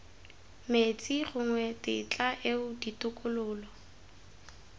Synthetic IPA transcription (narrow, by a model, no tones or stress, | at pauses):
met͡sʼiχʊŋwɛtɪ̰t͡ɬʼaʔeʊditʼʊkʼʊlʊːlɔ